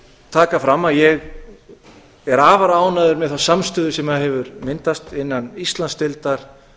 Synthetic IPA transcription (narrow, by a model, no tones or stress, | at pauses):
t̪ʰaːkafɾamːaðjɛɣ | ɛɾaːvaɾaːwnaðʏɾmɛðθawsamst̪ʏːðʏsɛmaðhɛvʏɾmɪnt̪ast̪ɪnːanist̪lanst̪ɪlt̪aɾ̥